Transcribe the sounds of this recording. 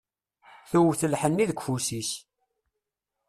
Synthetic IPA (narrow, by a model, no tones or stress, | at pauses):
θuwθəlħənːiðəkʷfusis